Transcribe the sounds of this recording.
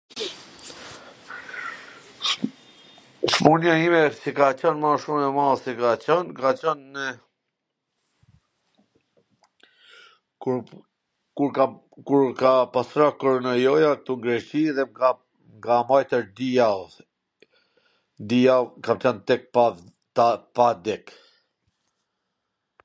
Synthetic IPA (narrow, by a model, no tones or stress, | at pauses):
ʃmunjaimɛsikat͡ɕənmaʃumɛmaðsikat͡ɕənkat͡ɕən | k | kuɾka | kuɾkapasɾakɔɾɔnajɔjak̚t̪uŋɡɾɛt͡ʃiðɛa | ŋɡamajt̪əɾd̪ia | d̪iakamt͡ɕənt̪ɛk̚pa | pad̪ɛk